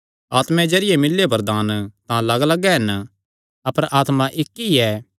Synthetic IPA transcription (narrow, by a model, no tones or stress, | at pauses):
aːt̪mɛ̃d͡ʒɐɾɪjemɪlːebɐɾd̪aːnt̪ãlɐɡlɐɡɛɦɐn | ɐpəɾaːt̪mãʔɪkːiɛː